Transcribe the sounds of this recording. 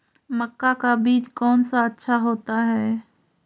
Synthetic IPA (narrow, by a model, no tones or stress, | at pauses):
məkːakabiːd͡ʒkɔːnsaətːʃʰaɦoːt̪aɦɛː